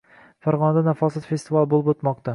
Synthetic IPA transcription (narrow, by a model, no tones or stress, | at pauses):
faɾʁɒnad̪anafɒsɪt̪fe̞st̪ɪvalˠbolˠɪpot̪mɒq̚t̪a